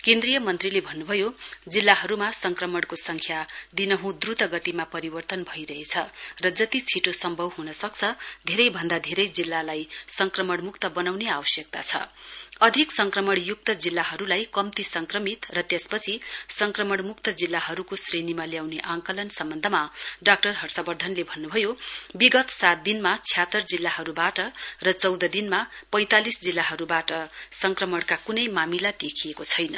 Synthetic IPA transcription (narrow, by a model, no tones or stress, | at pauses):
kend̪rijʌmʌnt̪rilebʱʌnːubʱʌjod͡zilːaɦʌɾumasʌŋkrʌmʌɽkosʌŋkʰjad̪inʌɦũd̪rut̪ʌɡʌt̪imapʌɾibʌrt̪ʌnbʱʌijɾʌɦet͡sʰʌrʌd͡zʌt̪it͡sʰiʈosʌmbʱʌbɦunʌsʌk̚t͡sʰʌd̪ʱeɾʌjbʱʌnd̪ad̪ʱeɾʌjd͡zilːalajsʌŋkrʌmʌɽmukt̪ʌbʌnawneawʌsjek̚t̪a̰t͡sʰʌ̰ʌd̪ʱiksʌŋkrʌmʌɽjuk̚t̪ʌd͡zilːaɦʌɾulajkʌmt̪isʌŋkrʌmit̪rʌt̪jespʌt͡sʰisʌŋkrʌmʌɽmukt̪ʌd͡zilːaɦʌɾukosrenimaljawneʔãŋkʌlʌnsʌmbʌnd̪ʱʌmaɖak̚ʈʌrɦʌrt͡sabʌrd̪ʱʌnlebʱʌnːubʱʌjobiɡʌt̪sat̪̚d̪inmat͡sʰjat̪ːʌrd͡zilːaɦʌɾubaʈʌrʌt͡sʌwd̪ʱʌd̪inmapʌjt̪alisd͡zilːaɦʌɾubaʈʌsʌŋkrʌmʌɽkakunʌjmamilad̪ekʰijekot͡sʰʌjnʌ̰